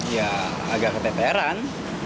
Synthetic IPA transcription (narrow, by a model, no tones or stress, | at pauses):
jaː | ɡakət̪ɛp̪eɾan